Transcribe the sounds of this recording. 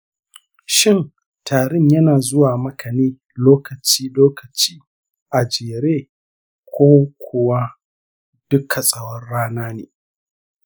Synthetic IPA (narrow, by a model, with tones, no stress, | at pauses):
ʃɪ˦˨n | tʰaː˨ɾɪ˦ɲjɐ˦naː˨zʊ˦waː˨mɐ˦kʰɐ˨neː˦ | loː˦kɐ˨t͡ʃiː˦loː˦kɐ˨t͡ʃiː˦ | ʔa˨d͡ʒeː˨ɾeː˦˨ | kʷoː˦kʷʰʊ˨wa˦ | d̥ʊ˦kʰa˨sʼɐ˦wɔ˦rːaː˦naː˦neː˨